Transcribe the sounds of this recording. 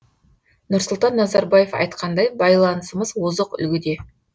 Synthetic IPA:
nʊɾsʊlˠt̪ɑnːɑzɑɾbɑje̞fɑ̰jt̪qʰɑnd̪ɑjbɑjlˠɑnəsəməzwozəqʏ̰lɡʲɪd̪e̞

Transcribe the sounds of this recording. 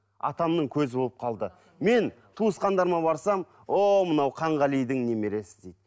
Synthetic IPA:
ɑ̰t̪ɑmnəɴkʲʰɵzɪbo̞lˠəp̚qʰɑlˠd̪ə | me̞n | t̪ʰuəsqɑnd̪ɑɾmɑbɑɾsɑm | omənɑwqʰɑɴʁɑlijd̪ɪŋne̞me̞ɾe̞sɪ̥zd̪ejd̪ɪ

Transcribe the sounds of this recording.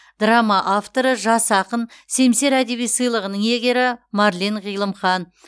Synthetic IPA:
d̪ramaʔaft̪o̞ɾəʒɑsɑqənse̞mse̞ɾæd̪e̞βijsɨjlˠəʁənəɴe̞ɡʲe̞ɾɪmɑɾlʲiɴʁijlˠəmχɑn

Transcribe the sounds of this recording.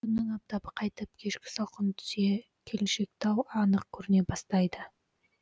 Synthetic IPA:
kʰʲʏnːɪŋɑp̚t̪ɑbəqʰɑjt̪əp̚kʲʰe̞ʃkʲɪ̥sɑqʰənt̪ʰʏ̥ze̞ | kʲʰe̞leʃe̞k̚t̪ɑwɑnəq̚kʲʰɵɾɪne̞bɑst̪ɑjd̪ə

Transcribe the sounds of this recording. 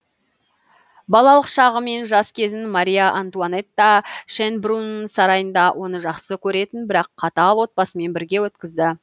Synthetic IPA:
bɑlˠɑlˠəqʃɑʁəme̞nʒɑskʲʰe̞zɪnmaɾʲijaʔant̪uanet̪ːaʃenbrunəɴsɑɾɑjənd̪ɑwʔo̞nəʒɑqsəkʲʰɵɾe̞t̪ɪnbɪɾɑqʰːɑt̪ɑlˠwo̞t̪̚pɑsəme̞nbɪɾɡʲe̞wɵt̪kʲɪzd̪ɪ

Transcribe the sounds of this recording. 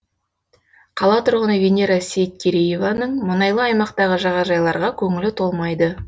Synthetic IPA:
qʰɑlˠɑt̪ʰʊɾʁənəvʲenʲeɾasʲejt̪̚kʲʰeɾejevanəɴmʊnɑjlˠəɑjmɑq̚t̪ɑʁəʒɑʁɑʒɑjlˠɑɾʁɑkʲʰɵŋɪlɪt̪ʰo̞lˠmɑjd̪ə

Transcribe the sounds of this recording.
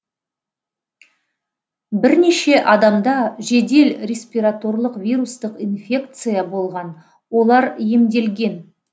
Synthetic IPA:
bɪɾne̞ʃe̞ʔɑd̪ɑmd̪ɑʒe̞d̪e̞lɾʲe̞sʲpʲijɾat̪o̞rlˠəqvʲijɾust̪əqinfʲe̞kt̪sɨjabo̞lˠʁɑn | wo̞lˠɑɾje̞md̪e̞lɡʲe̞n

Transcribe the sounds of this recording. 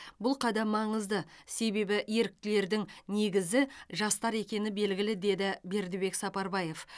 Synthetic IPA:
bʊlˠqʰɑd̪ɑmɑɴəzd̪əse̞be̞bɪje̞ɾɪk̚t̪ɪle̞ɾd̪ɪŋne̞ɡʲɪzɪʒɑst̪ɑɾe̞kʲe̞nɪbe̞lɡʲɪlɪd̪e̞d̪ɪbe̞ɾd̪ɪbe̞ksɑpɑɾbɑje̞f

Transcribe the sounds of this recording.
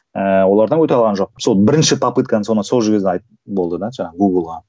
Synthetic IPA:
əwo̞lˠɑɾd̪ɑnŋkʰɵt̪eɑlˠʁɑnʒo̞q̚so̞lˠbɪɾɪnʃɪpʰɑpɨt̪̚kɑnənso̞nsolˠʒɪɡʲɪzd̪ʲeɑjt̪ | bo̞lˠd̪əd̪ɑʒɑɑɡuɡlˠʁɑ

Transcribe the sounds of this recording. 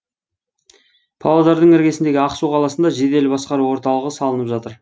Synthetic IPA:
pʰɑlˠad̪ɑɾd̪əɴɪɾɡʲe̞sɪnd̪e̞ɡʲɪɑqsuqʰɑlˠɑsənd̪ɑʒe̞d̪e̞lbɑsqɑɾuwo̞ɾt̪ɑlˠəʁəsɑlˠənəpʒɑt̪əɾ

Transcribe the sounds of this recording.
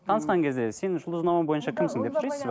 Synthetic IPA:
t̪ʰɑnəsqɑŋkʲʰe̞zd̪e̞se̞nʒʊlˠəznɑməmbojənʃɑkʲʰɪmsɪŋd̪e̞psʊɾɑjs

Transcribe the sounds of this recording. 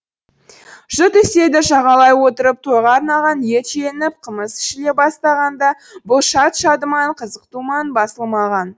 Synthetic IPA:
ʒ̥ʊt̪ʏse̞d̪ɪʃɑʁɑlˠɑjwo̞t̪əɾəp̚t̪ʰojʁɑɾnɑʁɑnje̞t̪t͡ʃe̞nɪp̚qʰəməsɪ̥ʃɪle̞bɑst̪ɑʁɑnd̪ɑ | bʊlˠʃɑt̪ʃɑd̪əmɑɴqʰəzəqt̪umɑnbɑsəlˠmɑʁɑn

